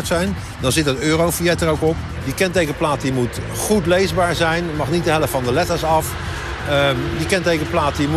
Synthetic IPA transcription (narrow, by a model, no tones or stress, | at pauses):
ɹtsɛjn | dɑnzɪtɦətøːrowfiɛtərowkɔp | dikɛntejɣəəplaːtimut | χutlejzbaːɹzɛjnmɑχnit̚dəɦɛləfɑndəlɛtəɹsɑf | dikɛntejkəəplaːtim